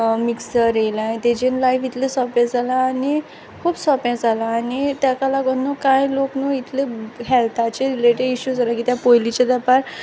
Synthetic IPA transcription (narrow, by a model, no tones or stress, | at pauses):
miksəɾelajt̪ed͡ʑenlajfit̪ʰlesɔpẽd͡zalaːni | kʰuːbsɔpɛ̃d͡zʱalaːnit̪jakalaɡonːokãjloknuit̪ʰleɦɛlt̪ʰat͡ɕeɾileʈeɖiɕud͡zʱalakit̪japojlit͡ɕed̪apaɾ